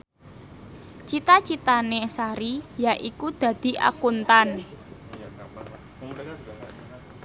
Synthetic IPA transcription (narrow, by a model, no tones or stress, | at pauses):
t͡ʃit̪at͡ʃit̪anesaɾijaʔikud̪̥ä̤d̪̥i̤ʔa̰kunt̪an